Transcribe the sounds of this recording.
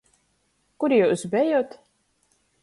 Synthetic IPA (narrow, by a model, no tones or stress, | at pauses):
kuɾijuwsbʲɛjoːt̪